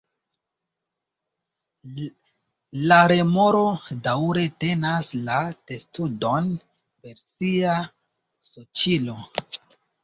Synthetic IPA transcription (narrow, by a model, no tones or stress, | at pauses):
laɾe̞mo̞ɾo̞dawɾe̞te̞naslad̥e̞studo̞n | pe̞ɾsia | sot͡ʃilo̞